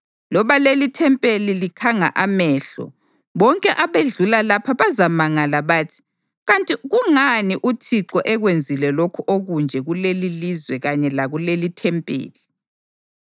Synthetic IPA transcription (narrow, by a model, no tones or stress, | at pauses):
lɔβalelitʰɛmpʼelilikʰaŋa̰ʔamɛːɬɔ̰ | βɔŋkʼɛʔaβeɮulalapʰaβazamaŋalaβaːtʰi̥ | ɣantʼiɣuŋaniʔutʰiǁɔʔɛɣwend͡zʱilɛlokʰuʔoɣund͡ʒʱɛɣulelilizwɛɣaɲɛlaɣulelitʰɛmpʼḛːli